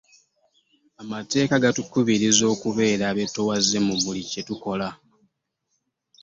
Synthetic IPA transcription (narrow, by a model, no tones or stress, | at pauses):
amate̞ːkaɡatukuβiɾizo̞ːkuβe̞ːɾaːβe̞towazːe̞muβulice̞tuko̞la